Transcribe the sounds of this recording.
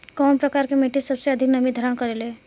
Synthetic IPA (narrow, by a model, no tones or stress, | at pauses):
kɔːnpɾəkaːɾkemeʈisəbseəd̪ʱɪknəmid̪ʱəɾənkəɾeleː